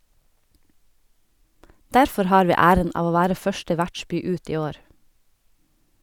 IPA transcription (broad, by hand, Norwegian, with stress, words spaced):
ˈdæɾfɔɾ ˈhɑːɾ ˈʋiː ˈæːɾən ˈɑːʋ ˈoː ˈʋæːɾə ˈfœʃʈə ˈʋæʈˌʃbyː ˈʉːt ˈiː ˈoːɾ